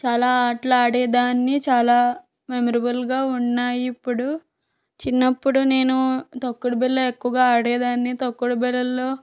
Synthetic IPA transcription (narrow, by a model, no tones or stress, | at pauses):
t͡ʃaːlaːaːʈlaːɽɛːd̪aːnːit͡ʃaːlaː | memɐɾibɐlɡaːunːaːjipːuɽu | t͡ʃinːɐpːuɽune̞ːnut̪ɐkːuɽubɛlːɐekːuʋɐɡaːaːɽɛːd̪aːnːit̪ɐkːuɽɐbɛlːɐlːo̞ː